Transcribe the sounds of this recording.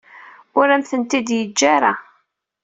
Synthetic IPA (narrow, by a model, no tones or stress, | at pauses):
ʊɾæmθənt̪id̪jəd͡ʒːaɾa